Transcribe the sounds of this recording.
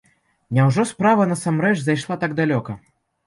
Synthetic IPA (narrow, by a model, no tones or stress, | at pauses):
nʲɛwʐɔspɾavɐnɐsamɾɛt͡ʂzajʂlˠat̪aɡd̪alʲɔkɐ